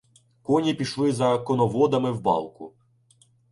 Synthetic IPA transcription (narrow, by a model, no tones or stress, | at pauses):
kɔnʲipʲiʃlˠɪzɐkɔnɔʋɔd̪ɐmɪwbɑ̰lˠkʊ̰